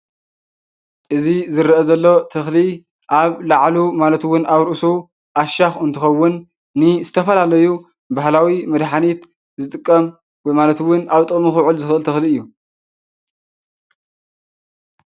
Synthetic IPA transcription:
ʔɨzizɨɾʔɐzɐlːo̞t̪ʰɐxli | ʔaβlaʕlumalɐt̪wʊnʔaβɾɨʔsu | ʔaʃaxɨnt̪ʰɨxɐwːʊnː | ɨzɨt̪ʰɐfɐlalɐju | bahlawimɐd̪ħanit̪ | zɨt̪ʼɨkʼːɐm | wɔjmalɐt̪wʊnaβt̪ʼɨkʼmixʊʕɨlzɨxʔɨlt̪ʰɐxliɨjːu

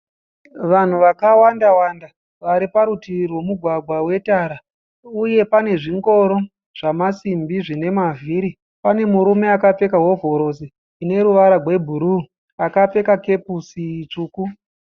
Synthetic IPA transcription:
ʋan̤uʋakawandawanda | ʋaɾipaɾutirwomuɡʱwaɡʱwawe̞taːɾa | uje̞pane̞ʐiŋɡo̞ɾo̞ | ʐ̥amasimbiʐine̞mavʱiːɾi | pane̞muɾume̞akap͡fe̞kaɦo̞vʱo̞ɾo̞siː | ne̞ɾuʋaɾaɡwe̞bʱuɾu | akap͡fe̞kake̞pusit͡ʂuːku

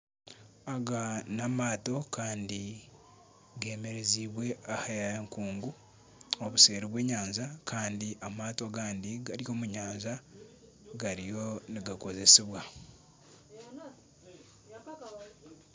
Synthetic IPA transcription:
aɡanamaːto̞kʰaːndi | ɡe̞ːme̞ɾe̞ziːβwe̞ahaaŋkuːŋɡu | oβuse̞ːɾiβwe̞ːɲaːnzakʰaːndiʔamaːto̞ɡaːndiɡaɾjo̞ːmuɲaːnza | ɡaɾijo̞niɡako̞ze̞seβwa

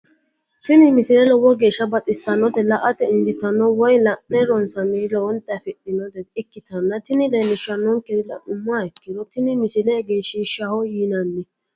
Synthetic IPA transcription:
t̪ɪnɪmɪsɪlɛlɔwɔɡeːʃːɐbɐt̪ʼɪsːɐnːɔt̪ɛlɐʔɐt̪ɛɪnd͡ʒɪt̪ɐnːɔwɔjlɐʔnɛɾɔnsɐnɪlɔɔnt̪ʼɛfɪɗɪnɔt̪ɛɪkːɪt̪ɐnːɐt̪ɪnɪlemɪʃɐnːɔŋkɛɪlɐ̰ʔʊmːʊaɪkːɪd̪ɔt̪ɪnɪmɪsɪlɛɡeːʃɪʃɐhɔjiːnɐnːɪ

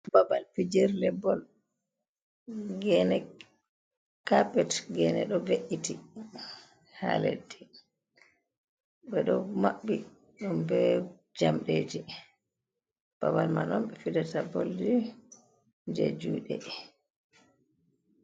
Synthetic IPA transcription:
babalpid͡ʒɛɾlɛbɔl | ɡɛnɛ | kapɛtɡɛnɛ̰ɗɔveʔiti | ha̰lḛdi | bɛɗɔmaɓːi | ɗumbɛ | d͡ʒamɗed͡ʒi | b̥abalmanɔmɓɛfidatabold͡ʒi | d͡ʒḛd͡ʒṵːɗɛ̰

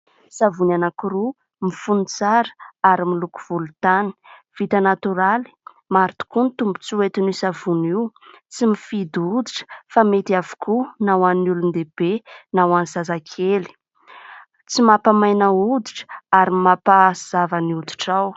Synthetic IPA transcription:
savunanakuɾu | mifunit͡saɾə̥aɾimiluku̥v̥ulut̪ani̥v̥it̪ənat̪uɾali̥ | maɾit̪u̥kunit̪umbu̥t͡siet̪inisavuniw | t͡simifid̪ud̪iʈ͡ʂə̥famet̪iavu̥kʰunawannulund̪eb̥enawanizazakʰeli̥ | t͡simapamajnaud̪iʈ͡ʂə̥aɾimapaz̥avəniud̪i̥ʈ͡ʂaw

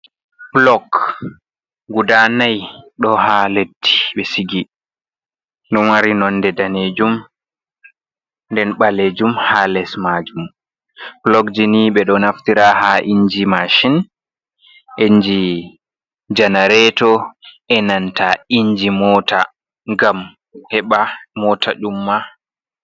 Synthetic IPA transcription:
blɔk | ɡudanajɗɔhaledːi̥ɓɛsiɡi | nɗɔnwaɾinɔndɛdaned͡ʒum | ndɛnɓaleːd͡ʒumhalɛsmad͡ʒum | blɔkd͡ʒiniɓɛɗɔnaftiɾahaʔiɲd͡ʒimaʃin | ʔeɲd͡ʒi | d͡ʒanaɾɛtɔ | ɛnantaiɲd͡ʒimɔta | ŋɡam | hɛɓamɔta̰ɗumːa

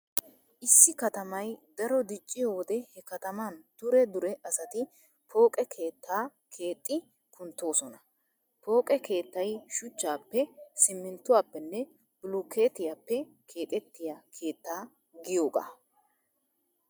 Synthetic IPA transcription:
ʔɪsːɪkɐt̪ɐmɐjd̪ɐɾɔd̪ɪt͡ʃʼːɪjoːwɔd̪ɛhɛkɐt̪ɐmand̪̥ʊɾɛd̪ʊɾɛʔɐsɐt̪ɪ | pʰo̞ːkʼɛkʰe̞ːt̪ʰːaː | kʰe̞ːt̪ʼːɪ | kʊnt̪ːo̞ːsɔnɐ | po̞ːkʼɛkʰe̞ːt̪ːɐjʃʊt͡ʃːaːpːɛsɪmːɪnt̪ːʊwaːpːɛnːɛ | b̥ʊlukʰːeːt̪ɪjaːpːɛ | kʰe̞ːt̪ʼɛt̪ːɪjakʰe̞ːt̪ːaː | ɡɪjo̞ːɡa̰ː

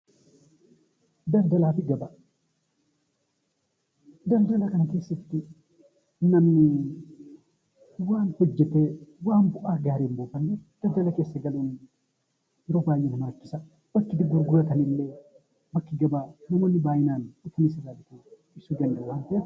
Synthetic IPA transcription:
d̪ɐld̪ɐlaːfɪɡɐbaː | d̪ɐld̪ɐlɐkɐnɐke̞ːsːɐft̪ɪ | nɐmnɪ | waːnhɔd͡ʒːɛt̪ewaːmbʊʔaːɡaːɾeːmboːfɐnːɛd̪̥ɐld̪ɐlɐke̞ːsːɐɡɐluːn | ɾɔbaːjʔɛnɐmaːkːɪsɐ | b̥ɐkːɪt̪ɪɡʊɾɡʊɾɐt̪ɐnɪlːeː | bɐkːɪɡɐbaːnɐmonːɪbaːjɪnaːnɪfɐnɪsɪlalɪt̪e | ɪsuɡɐnd̪ɛwaːnt̪e

